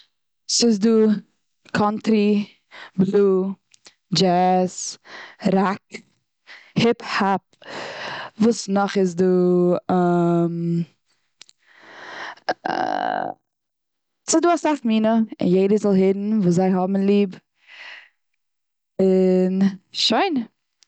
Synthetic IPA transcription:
sɪzduː | kʰɔntɾi | bluː | d͡ʒɛs | ɾak | hɪphap̚ | vuːsnɔχɪzduː | m | sɪzduːasafmiːnəɪ̰njeɪdəzɔlˠhɪdn̩vuːs̬zaɪɦɔbm̩lˠiːb | ɪnʃoɪn

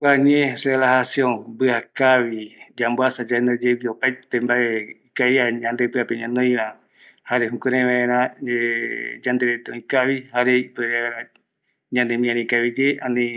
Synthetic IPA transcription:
kaɲẽɾelahasiõŋbɨakaʋid͡ʒamboasad͡ʒaend̪ad͡ʒeβiopajt̪ẽmbaeikajaɲãnd̪epɨapeɲãnõj̃βa | haɾeɦũkẽɾẽʋãeɾãed͡ʒãnd̪eɾet̪eõĩkaβihaɾeipuaeɾã | ɲãnd̪emĩãnĩkaβid͡ʒeãnĩ

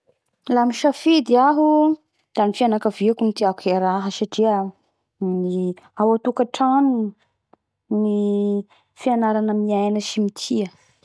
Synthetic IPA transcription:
lamiʃafid̪iaɦu | d̪̥anifianakaviakumit̪iakueɾaɦəʃaʈ͡ʂiə | ni | awat̪ukaʈ͡ʂanu | ni | fianaɾanəmiajnəʃimit̪ʰiə

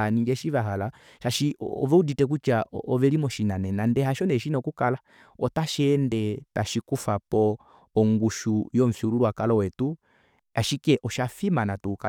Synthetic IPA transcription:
niŋɡɛʃivaɦala | ʃaʃiɔ̰vɛuditɛk̬ut͡ʃaʔɔvɛlimɔʃinanɛnandɛhaʃɔnɛʃinɔkukala | ɔtaʃɛːndɛtaʃikufapɔ | ɔŋɡuʃujɔɱ̩fiuɾuɾwakalɔwɛtu | aʃikɛʔɔʃafimanatuka

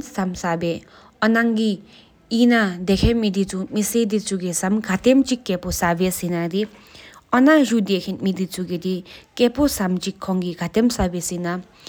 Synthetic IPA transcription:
samsabe | ɔnaŋɡi | inad̪ekʰemid̪it͡sumised̪it͡suɡesamɡʱat̪emt͡ʃikːeposabesinadi | ɔnaʐud̪ekʰinmid̪it͡suɡed̪ikeposamt͡ʃikʰːɔŋɡiɡʱat̪emsabesina

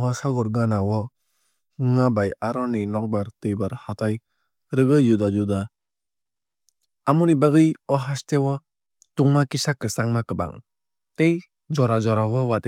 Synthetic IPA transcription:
ɦasaɡɔɾɡanawɔ | ŋabajaɾɔninɔk̚baɾtɯjbaɾhataj | ɾɯɡɯjudad͡ʒuda | amunibaɡɯjɔɦastewɔ | tuŋmakisakɯsaŋmakɯba̰ŋ | tej | d͡ʒɔɾad͡ʒɔɾawɔwat

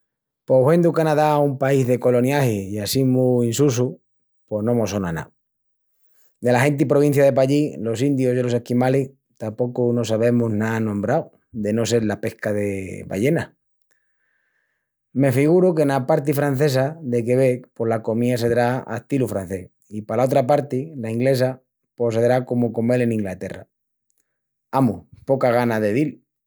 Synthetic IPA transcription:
powend̪ukanaðaumpaizðe̞ko̞lo̞njahiiasimuinsus̬u | po̞hnõ̞mo̞sonana̰ | d̪e̞laɦe̞nt̪ipɾoβin̟θjaðe̞p̬aʎilo̞sind̪jozðelo̞se̞hkimali | t̪apo̞kuno̞saβe̞munanõmbɾaw | ðe̞no̞s̬e̞ɾlape̞hkaðe̞βa̰je̞na | me̞fiɣ̞uɾukenapaɾt̪̬ifɾan̟θe̞saðe̞k̬e̞βe̞polako̞miase̞ðɾaa̰et̪ilufɾan̟θe̞ | ipalao̞t̪ɾapaɾt̪ilaiŋɡle̞s̬a | po̞s̬eðɾako̞moko̞moe̞le̞nĩŋɡlat̪e̞ra̰ | amupo̞kaɣ̞anaðe̞ð̞il

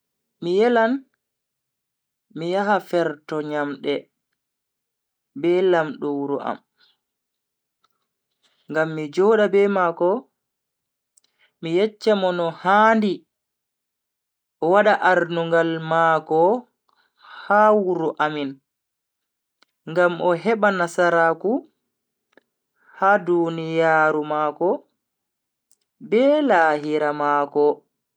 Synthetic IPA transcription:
mijɛlan | mijaɦafɛɾtɔɲamɗɛ | bɛlamɗɔwuɾuʔa̰m | ŋɡamːid͡ʒɔɗabɛmakɔ | mijɛt͡ʃːɛmɔnɔhaːndi | ʔɔwaɗaʔaɾnuŋɡalmakɔ | hawuɾuʔamin | ŋɡamɔɦɛɓanasaɾaku | hadunijaːɾumaːkɔ | bɛːlahiɾamaːkɔ

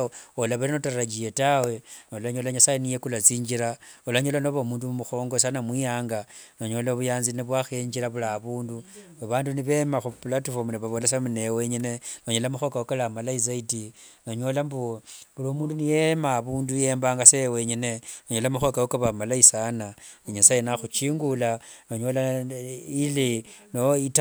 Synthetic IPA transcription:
olaβaɾinotaɾad͡ʒijetawe̞nolaɲo̞laɲasajenijekulat͡siːɲd͡ʒiɾaolaɲo̞lanoβamuːndumuxo̞ːŋɡo̞sanamwijaːŋɡanoɲo̞laβujaːnziniβwaxeːɲd͡ʒiɾaβulaβuːndu | aβaːnduniβe̞maxupulatufomuniβaβolesamunewe̞ɲine̞noɲolamuxo̞kawokalamalaiz̬aitinoɲo̞lambuβuloːmuːndunijemaːβuːnduje̞ːmbaːŋɡaseweɲene̞noɲolamuxokawokaβamalaisananiɲasajenaxut͡ʃiːŋɡulanoɲo̞la | ilinoit

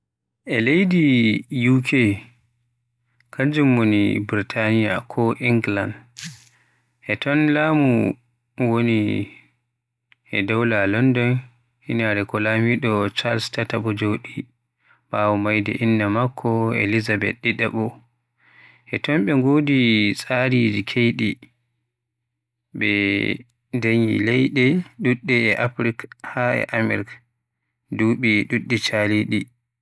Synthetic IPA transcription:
ʔɛlejdijukʰe | kʰaɲd͡ʒumwonḭbɾitʰanija̰kʰɔʔiŋɡland | ʔɛtɔnlaːmu | woni | ʔɛdawlalɔndɔn | hinaɾɛkɔlamiɗɔt͡ʃalstataɓɔd͡ʒoɗi | b̥awɔmajdɛ̰ʔinːamakʰːɔḛlizabɛ̰t̚ɗiɗɛɓɔ | ʔɛtɔmɓɛŋɡoːdisʼaɾid͡ʒikʰejɗi | ɓɛ | daɲḭlɛjɗɛɗuɗːɛɛʔapɾikhaɛ̰ʔamɛ̰ɾk | duɓiɗuɗːɛt͡ʃaliɗi

